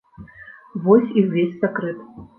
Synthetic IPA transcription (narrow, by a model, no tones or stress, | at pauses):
vɔsʲiwvʲesʲsakɾɨt̪